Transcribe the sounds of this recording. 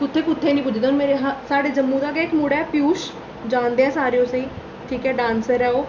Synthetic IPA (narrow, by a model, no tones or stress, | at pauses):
kʊt̪ʰːeːkʊt̪ʰːeːnĩːpʊd͡ʒd̪oːnmeːɾeɦasaːɽeːd͡ʒəmːũːd̪aːɡɛːɪkmuɽɛːpjuːʃ | d͡ʒãːnd̪eːɛ̃ːsaːɾejõːseiː | ʈʰiːkɛːɖãːnsəɾɛːoː